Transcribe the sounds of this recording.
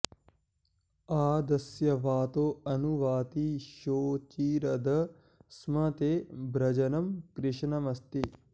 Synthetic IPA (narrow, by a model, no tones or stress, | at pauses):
aːd̪ɐsjɐʋaːt̪oːɐnuʋaːt̪iʃoːt͡ʃiːɾɐd̪ɐ | smɐt̪eːbɾɐd͡ʒɐnɐmkɾɪʃnɐmɐst̪i